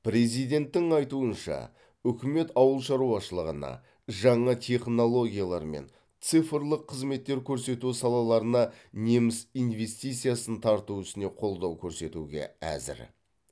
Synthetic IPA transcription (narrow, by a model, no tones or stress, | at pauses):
pɾe̞zijd̪e̞nt̪ːɪŋɑjt̪uənʃɑ̰ | ʏkʲɪme̞t̪ɑwəlˠʃɑɾuɑʃəlˠəʁənɑ̰ | ʒɑɴɑt̪ʲʰe̞χno̞lˠo̞ɡʲijalˠɑɾmḛn | t̪sɨfəɾlˠəqʰːəzme̞t̪ːe̞ɾkʲʰɵɾse̞t̪usɑlˠɑlˠɑɾənɑ | ne̞mɪsijnve̞st̪ijt̪sijasənt̪ʰɑɾt̪uʏsɪne̞qʰo̞lˠd̪ɑwkʲʰɵɾse̞t̪uɡʲe̞̰æ̰zɪ̰ɾ